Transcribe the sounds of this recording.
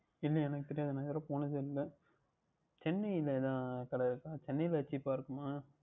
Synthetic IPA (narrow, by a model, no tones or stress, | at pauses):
ɪlːɐɛnɐkːɯt̪ɪɾɪjaːðɯnãːɪðɾɐ̃poːnɐðɯɪlːɐ | t͡ʃɛnːɐɪlɛðãːkɐɽɐɪɾɯkːaːt͡ʃɛnːɐjlɐɐt͡ʃːipːaːɪɾɯkːɯmaː